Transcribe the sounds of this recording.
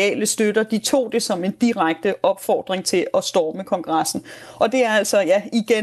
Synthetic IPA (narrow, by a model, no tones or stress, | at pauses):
ɛ̰ːləsd̥øɾ̥ɐd̥it͡sʰo̝̰ːd̥e̝sɒ̽me̝nd̥iʁäɡ̥̚d̥əʔɒ̽b̥fɒ̰ːd̥ʁeŋt͡sʰe̝lɒ̽sd̥ɒːməkʰɒ̽ŋɡ̥ʁɑ̈sn̩ʔɒ̽d̥e̝æɐæl̰sɒ̽jæiɡ̥e